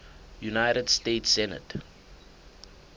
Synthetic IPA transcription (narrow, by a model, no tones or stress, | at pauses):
junajɾədsteːtsɛnə̰t